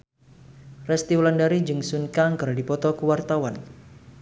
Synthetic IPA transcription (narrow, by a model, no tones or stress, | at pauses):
rɛst̪iwlandaɾid͡ʒɨŋsunkaŋkəradipɔt̪ɔkəwart̪awan